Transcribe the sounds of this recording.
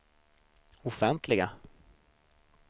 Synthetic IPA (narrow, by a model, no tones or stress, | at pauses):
ʊfɛnt̪ʰlɪɡa